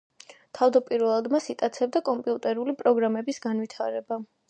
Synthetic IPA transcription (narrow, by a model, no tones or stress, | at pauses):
t̪ʰavd̪apʼiɾvɛlˠad̪masit̪ʼat̪sʰɛb̚d̪akʼɔmpʼiut̪ʼɛɾulipʼɾɔɡɾamɛbisɡanwit̪ʰaɾɛba